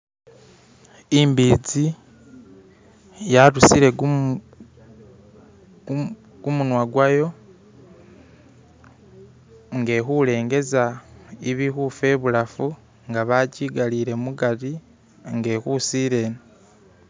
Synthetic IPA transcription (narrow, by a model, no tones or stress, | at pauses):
iːmbiːd͡zi | jaɾusiɾe̞ | ɡ̥umunwaɡwajo̞ | ŋɡe̞xule̞ːŋɡe̞zaiβixufe̞ːβuɾafu | ŋɡaβaciːɡaliːɾe̞muɡaɾi | ŋɡe̞ːkusiːɾe̞ːna